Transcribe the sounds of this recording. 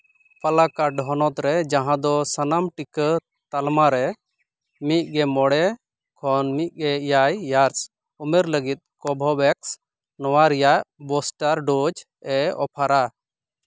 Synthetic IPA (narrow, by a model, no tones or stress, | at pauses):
palakaɖʱɔnɔt̪ɾɛd͡ʒãɦãd̪ɔsanamʈikə | t̪almaɾɛ | mit̪̚ˀɡɛmɔɽɛ | kʰɔnmit̪̚ˀɡɛjajːaɾs | ɔmɛɾləɡit̪̚kɔbʱɔbɛks | nɔwaɾijaʔbɔsʈaɾɖod͡ʒ | ɛɔ̰pʰaɾa